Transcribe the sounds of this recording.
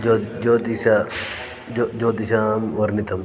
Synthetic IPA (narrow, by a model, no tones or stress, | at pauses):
d͡ʒod͡ʒod̪isa | d͡ʒoːd̪isaːmʋɐɾnit̪ʰɐm